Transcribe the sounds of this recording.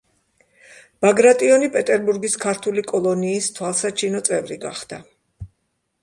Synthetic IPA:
b̥aɡɾat̪ʼiɔnipʼɛt̪ʼɛɾbuɾɡiskʰaɾt̪ʰulikʼɔlˠɔniːst̪ʰwalˠsat͡ʃʰinɔt̪sʼɛvɾiɡa̰χd̪̥a

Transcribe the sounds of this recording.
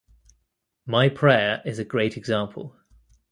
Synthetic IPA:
maɪpʰɹ̥ɛːɹɪzəɡɹeɪtʰɛɡzɑ̃ˑmpʰə̰lˠ

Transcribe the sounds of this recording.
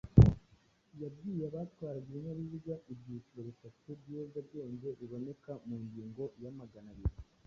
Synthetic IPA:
jabɡiːjeβaːt̪waːɾaɡiɾenaβiβɟaʔibɟiːciɾoβitatebɟozabɟe̞ːɲɟe̞ɾiβo̞ne̞kamuːɲɟiːŋɡo̞jamaɡanaɾiɾi

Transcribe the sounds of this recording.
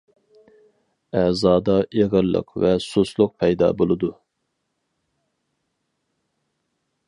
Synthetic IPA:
æzɑːd̪ɑeʁəɾlːˠɨ̰qvɛsuslˠʊq̚pʰɛjd̪ɑ̰ːbolˠɨd̪u

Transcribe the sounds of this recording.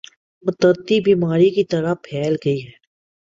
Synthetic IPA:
mʊt̪əɾt̪ibiːmaːɾikit̪ɐɾapʰɛːlɡɐiɦɛː

